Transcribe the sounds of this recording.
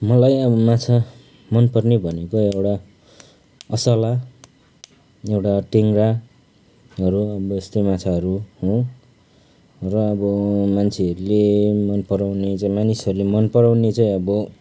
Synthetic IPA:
mʌlajʌbʌmat͡sʰa | mʌnpʌrnebʱʌnekoewʈa | ʌsʌla | ewʈaʈeŋɡra | ʌɾuʌbʌest̪ejmat͡sʰaʌɾuɦõ | rʌːbʌmant͡sʰeʌɾulemʌnpʌɾawnet͡saĩmanisʌɾulemʌnpʌɾawnet͡saĩʌbʌ

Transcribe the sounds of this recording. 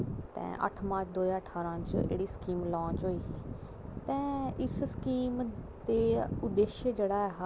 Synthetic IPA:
t̪ɛ̰̃ːʔə̰ʈʰmãːt͡ʃd̪oːjaːəʈʰaːɾãːt͡ʃḛːɽiːskiːmlɔ̃ːt͡ʃɦoːiː | t̪ɛ̃ːɪsskiːm | t̪eːʊd̪eːʃjəd͡ʒeːɽaːɛɦa

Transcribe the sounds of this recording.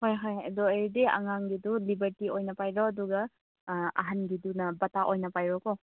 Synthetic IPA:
hojɦojdɔeɾdeɐ̰ŋaŋɡidulibɐɾtiojnɐpajɾɔɐduɡɐ | ɐ̰ɦanɡidunɐbɐtaʔojnɐpajɾɔkɔ

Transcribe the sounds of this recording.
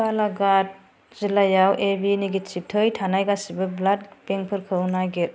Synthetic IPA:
palaɡat̚ | z̥ilajawʔebiniɡit͡ʃip̚tʰɯjtʰanajɡasibɯblat̚peŋpʰɯɾkʰɯwnaɡet̚

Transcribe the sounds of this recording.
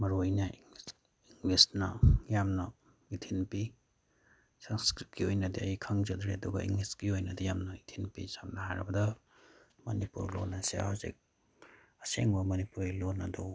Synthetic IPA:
mɐɾujnɐ | iŋlisnɐjamnɐ | itʰinpi | sanskɾip̚kʰiojnɐdia̰jikʰaŋzɐd̪ɾiɐduɡɐ̰ḭŋliskiojnɐdɐjamnɐitʰinpisamnɐɦaɾɐbɐdɐ | mɐnipṵɾlonɐsea̰azḭk̚ | ɐseŋbɐmɐnipuɾlonadu

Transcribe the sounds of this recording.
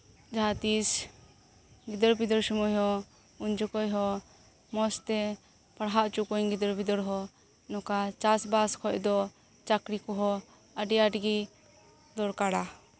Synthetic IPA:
d͡ʒaɦat̪is | ɡid̪ɔɾbid̪ɔɾsumɔjɦɔ | uɲd͡ʒɔkɔjɦɔ | mɔst̪ɛ | paɽɦaʔt͡ʃukɔɲɡid̪ɔɾbid̪ɔɽɦɔ | nɔkat͡ʃasbaskʰɔcd̪ɔ | t͡ʃakɾikɔɦɔ | əɖijaʈɡi | d̪ɔɾkaɽa

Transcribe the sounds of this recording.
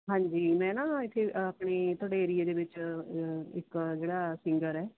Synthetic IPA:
ɦãːɲd͡ʒiːmɛ̃ːnãːɪt̪ʰːeapɳeːt̪ʰoːɽeːeːɾieːd̪eːʋɪt͡ʃ | ɪkd͡ʒeːɽaːsɪŋɡəɾɛː

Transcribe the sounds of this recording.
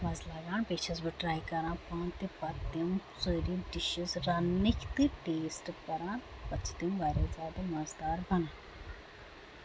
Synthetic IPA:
mɐzlaːɡaːnpeːt͡ʃʰɐzbɨʈɾaːjkɐɾãːpaːnt̪ipɐt̪ːimsoːɾiɖiʃizɾɐnːikʰt̪iʈeːsʈpɐɾãːnpɐt͡sʰt̪imʋaːɾʲaːzʲaːd̪ɐmɐzd̪aːɾbɐnan

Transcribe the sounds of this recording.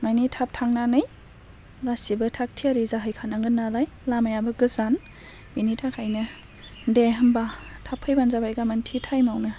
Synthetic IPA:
majnitʰap̚tʰaŋnanɯj | basibɯtʰak̚tʰiaɾizaɦɯjkʰanaŋɡɯnalaj | lamajabɯɡɯzan | b̥initʰakʰajnɯ | deɦɯmbatʰapʰɯjbanzabajɡamantʰitʰajmawnɯ

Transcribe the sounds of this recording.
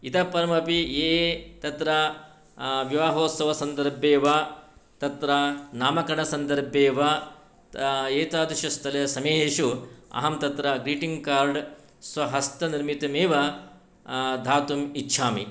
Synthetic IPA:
it̪ɐpːɐɾɐmɐpieːt̪ɐt̪ɾɐ | ʋiʋaːɦoːsɐʋɐsɐnd̪ɐɾbʱeːʋɐt̪ɐt̪ɾɐnaːmɐkɐɳɐsɐnd̪ɐɾbʱeːʋɐ | eːt̪aːd̪iʃɐst̪ʰɐlɐsɐmeːɦeːʃuɐ̰ɦɐmt̪ɐt̪ɾɐɡɾiːʈiŋɡkaːɾɖ | sʋɐɦɐst̪ɐniɾmit̪ɐmeːʋɐ | d̪ʱaːt̪umitːʃʰaːmḭ

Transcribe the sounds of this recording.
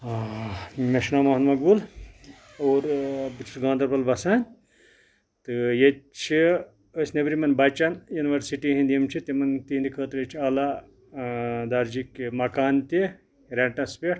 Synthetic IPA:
meʃnaːmɐɦɐnmɐɡ̚bul | oːɾbɨt͡ʃʰuɡãːnd̪ɐɾbɐlbɐsaːnʲ | t̪ɨjet͡ʃʰi | əsnebɾimɐnbɐt͡ʃɐnjuniʋɐɾsiʈiɦĩnd̪imt͡ʃʰit̪ʲimɐnt̪iːnd̪ikʰəːt̪ɾet͡ʃʰiaːla | d̪aɾd͡ʒikmɐkaːnt̪i | ɾeɳʈɐ̃speʈ

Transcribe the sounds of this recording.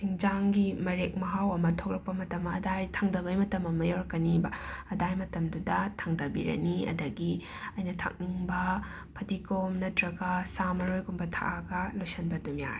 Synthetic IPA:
tʰiŋd͡ʒaŋɡimɐɾek̚mɐɦawɐmɐtʰok̚ɾɐk̚pɐmɐtɐmːɐɐdajtʰaŋdɐbɐjmɐtɐmːɐmɐjoɾkɐnibɐɐdajmɐtɐmdudɐtʰaŋdɐbiɾɐ̰niɐ̰dɐɡi | ɐjnɐtʰa̰k̚niŋbɐ | pʰɐtikomnɐtɾɐɡasamɐɾojɡumbɐtʰa̰ʔaɡɐlojsɐnbɐtumja̰ɾ

